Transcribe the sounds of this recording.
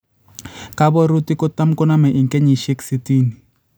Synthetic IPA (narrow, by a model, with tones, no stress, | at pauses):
ka˦bɔ˦ɾu˦ti˦kɔ˦ta˦mkɔ˦na˦mɛ˨ʔi˨ŋkɛ˦ɲi˨ʃe˦ksi˦ti˦ni˨